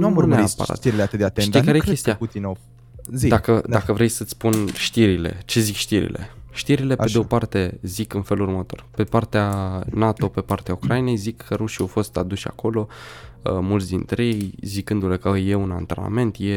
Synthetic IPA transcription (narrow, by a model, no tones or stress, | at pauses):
nuauneapa̰ɾa̰t̪iɾileat̪ɨt̪d̪eat̪eekaɾekest̪iaut̪ina | zid̪akəd̪akəvɾe̞jsət̪sʲpunʃt̪iɾile̞̰t͡ʃe̞zikʃt̪iɾḭle̞̰ʃt̪iɾile̞ed̪eopart̪e̞zikɨnfe̞lurmət̪o̞̰rpe̞part̪eanat̪o̞pe̞part̪eaukɾajine̞jzikʰːəɾuʃiawfo̞st̪ad̪uʃa̰ko̞lo̞əmult̪sʲd̪int̪ɾejejzikɨnd̪ule̞kəje̞una̰nt̪ena̰me̞nt̪je̞